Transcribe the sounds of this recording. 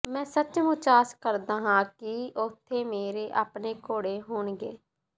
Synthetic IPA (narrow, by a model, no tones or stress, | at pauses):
mɛ̃ːsət͡ʃmʊ̃t͡ʃaːskəɾd̪aːɦãːkɪʊt̪ʰːeːmeːɾeːʔaːpɳeːkoːɽeːɦoːɳɡḛː